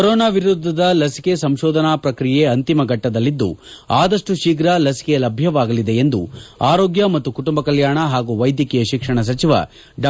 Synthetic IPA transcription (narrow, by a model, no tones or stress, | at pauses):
kɔɾoːnaːʋiɾud̪ʱːɐd̪ɐlɐsi̥kesɐmʃɔːd̪ʱɐnaːpɾɐkɾije̞ɐnt̪imɐɡʱɐʈːɐd̪ɐlːid̪ːṵ | aːd̪ɐʂʈuʃiːɡɾɐlɐsi̥kejɐlɐbʱjɐʋaːɡɐlid̪e̞end̪ṵaːɾo̞ːɡjɐmɐt̪ːukuʈumbɐkɐljaːɳɐɦaːɡuːʋɐjd̪jɐkijɐʃikʂɐɳɐs̬ɐt͡ʃiʋa̰ | ɖ